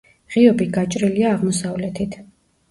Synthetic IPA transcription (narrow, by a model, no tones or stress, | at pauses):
ʁiɔbiɡat͡ʃʼɾiliaːʁmɔsavlɛt̪ʰit̪ʰ